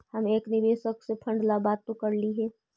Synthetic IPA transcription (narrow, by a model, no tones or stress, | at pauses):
həmeːknɪʋeːʃəksepʰɐ̃ɳɖlabaːt̪̚t̪okəɾliɦɛː